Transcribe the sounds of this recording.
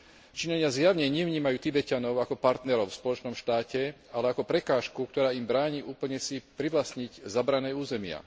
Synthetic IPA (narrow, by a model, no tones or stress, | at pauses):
t͡ʃiɲaɲɪazjaʊɲɛɲɪɛʋɲiːmajuːt̪ibɛcanɔʊakɔpaɾt̪nɛɾɔʊfspɔlɔt͡ʃnɔmʃt̪aːcɛ | alɛakɔpɾɛkaːʃkuk̚t̪ɔɾaːimbɾaːɲiːʔuːpl̩ɲɛsipɾiʋlasɲiɟzabɾanɛːuːzɛmɪa̰